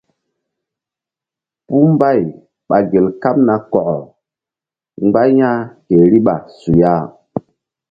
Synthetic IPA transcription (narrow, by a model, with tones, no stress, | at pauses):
pu˦mba˦˨j | ɓa˨ɡe˨lka˦p̚na˨kɔ˨ʔɔ˨ | ŋ͡mɡ͡ba˦jã˦ke˨ɾi˦ɓa˨su˨ja˦